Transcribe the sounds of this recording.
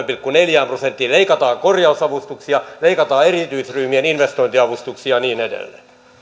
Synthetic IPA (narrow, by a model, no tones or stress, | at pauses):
mpilkːuneljæːmprosent̪ːiːleikɑt̪ɑːŋkorjɑusɑʋust̪uksiɑleikɑt̪ɑːerit̪yisryhmieninʋest̪oint̪iɑʋust̪uksiɑniːnedḛlːḛː